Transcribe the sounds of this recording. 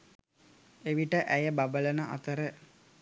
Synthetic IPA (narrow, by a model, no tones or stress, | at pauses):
eʋiʈəʔæjəbabələnəʔa̰t̪əɾə